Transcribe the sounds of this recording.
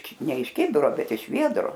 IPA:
ˈnʲɛ ɪʃ ˈkʲɪbʲɪroː ˈbʲɛt ɪʃ ˈʋʲiɛdroː

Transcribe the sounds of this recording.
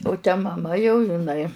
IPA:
ʊ tʲɛ mɐˈmɐ jɛʊ ɪˈnɐɪ

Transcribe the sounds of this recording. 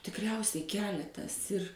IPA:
tʲɪkˈrʲɛʊsʲɛɪ ˈkʲæːlʲɛtɐs ɪr

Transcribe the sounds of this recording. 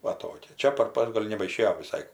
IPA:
ˈʋɐ ˈtoːkʲɛ ˈt͡ʃʲɛ pɐr pɐs ˈɡoːlʲ nʲɛbɐɪˈʃʲeːjoː ʋʲɪˈsɐɪ

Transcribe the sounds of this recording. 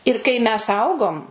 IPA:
ɪr kɐɪ mʲɛs ˈɐʊɡoːm

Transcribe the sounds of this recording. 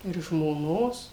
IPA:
ɪr ʒmoːˈnoːs

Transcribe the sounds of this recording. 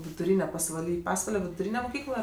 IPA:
ʋʲɪdʊˈrʲiːnʲɛ pɐsʋɐˈlʲiː ˈpɑːsʋɐlʲɛ ʋʲɪdʊˈrʲiːnʲɛ mʊˈkʲiːklˠɐ

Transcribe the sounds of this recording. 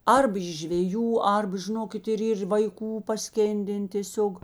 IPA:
ˈɐrp ɪʃ ʒʲʋʲɛˈjuː ˈɐrbɐ ʒʲɪˈnoːkʲɪt ɪr ˈiːr ʋɐɪˈkuː pɐˈsʲkʲeːnʲdʲɛn tʲeːˈsʲoːk

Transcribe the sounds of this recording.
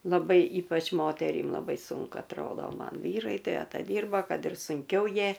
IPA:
lˠɐˈbɐɪ ˈiːpɐt͡ʃ ˈmoːtʲɛrʲiːm lˠɐˈbɐɪ ˈsʊŋkʊ ɐtˈroːdoː ˈmɐn ˈʋʲiːrɐɪ tɐɪ ɐtɐˈdʲiːrbɐ ˈkɐt ɪr sʊŋʲˈkʲɛʊ ˈjiɛ

